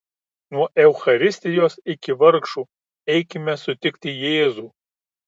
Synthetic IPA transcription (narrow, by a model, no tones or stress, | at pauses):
nuɔʔɛʊxɐɾʲɪsʲt̪ʲɪjoːsɪkʲɪʋɐɾkʃuː | ɛɪkʲɪmʲɛsʊt̪ʲɪkʲt̪ʲɪjeːzuːˑ